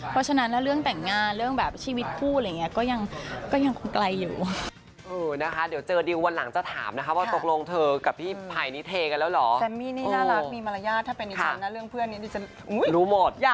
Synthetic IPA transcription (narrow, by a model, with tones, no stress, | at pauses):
pʰɔ˦˥t͡ɕʰa˧na˦˥nlɛ˦˥ɾɯ˥˩əŋt̪ɛ˨˩ŋːaː˧nɾɯ˥˩əŋbɛː˨˩p̚t͡ɕʰiː˧wi˦˥t̪̚pʰuː˥˩lŋːi˦˥ɐkɔː˥˩ja˧ŋkɔː˥˩ja˧ŋkʰo˧nkla˧jːṵː˨˩ | ʔɤː˧˩na˦˥kʰa˦˥di˨˩˦wt͡ɕɤː˧diː˧wwa˧nla˩˦ŋt͡ɕa˨˩t̪ʰa̰ː˩˦mna˦˥kʰa˦˥waː˥˩t̪o˨˩k̚lo˧ŋt̪ʰɤː˧ka˨˩p̚p̪ʰiː˥˩pʰaː˨˩jni˦˥t̪ʰeː˧ka˧nlɛː˦˥wlɔː˩˦t̪ɛ˨˩miː˥˩niː˥˨˩naː˥˩la˧˦˥kmiː˧ma˧la˧jaː˥˩t̪ʰːa˥˩pe˧nːʔi˧kʰa˦˥a˩˧na˦˥ɾɯ˥˩əŋpʰɯ˥˩ənːi˦˥niː˦˧˩t͡ɕa˨˩ | ʔu˨˦˥jɾuː˦˥mo˨˩t̪̚jaː˧˩